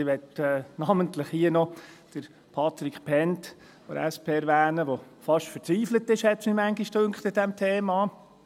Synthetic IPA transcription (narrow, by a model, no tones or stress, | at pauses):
ʋɛtɛːnɑməntləχhiənɔd̥əɾ | pʰɑt̪ɾikpʰɛnt | fɔ̰ɛspʰeːɛɾʋæːnəʋo | fɑʃtfəɾt͡sʋiːflət̪ɪʃhɛt̪nimæŋɡiʃtɵŋkχt̪ɪd̥ɛmt̪ʰeːmɑː